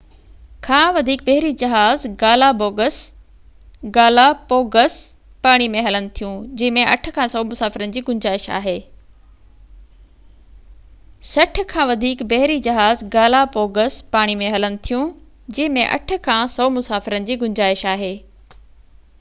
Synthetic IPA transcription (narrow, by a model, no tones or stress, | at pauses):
kʰãːʋɐd̪ʱiːk̚bɐɦɪɾid͡ʑɐɦaːzɡaːlaboːɡəs | ɡaːlapoːɡəs | paːɽ̃imẽɦɐlənɪ̆t̪ʰijũd͡ʑɐ̃ɦɪ̃mẽʔɐ̰ʈʰə̆kʰãːsɔːmʊsaːfɪɾənɪ̆d͡ʑiːɡʊɲd͡ʑaːɪʃa̰ːɦeː | sɐʈ̆ʰkʰãːʋɐd̪ʱiːkbɐɦɪɾid͡ʑɐɦaːzɡaːlapoːɡəspaːɽ̃imẽɦɐlənɪ̆t̪ʰijũ | d͡ʑɐ̃ːɦɪ̃mẽʔɐ̰ʈʰə̆kʰãːsɔːmʊsaːfɪɾənɪ̆d͡ʑiːɡʊɲd͡ʑaːɪʃaːɦeː